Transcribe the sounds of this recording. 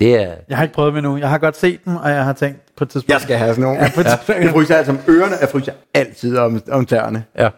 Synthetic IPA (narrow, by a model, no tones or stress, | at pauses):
d̥e̝æjɑ̈ɪhɑ̈e̝ɡ̥̚pʁœːðˠmenujɑ̈ɪɦɑ̈ɡ̥ɒ̽d̥se̝̰ːd̥demɒ̽jɑ̈ɪɦɑ̈t͡sʰeŋ̰d̥pʰɒ̽e̥d̥t͡sʰiðsb̥jɑsɡ̥æɦæsnoːpfʁyːsɑælsɒmøːɐnəjäfʁy̰ːsjɑæl̰t͡sʰið̞̰ˠɒmɒ̽mt͡sʰæɐnəjæ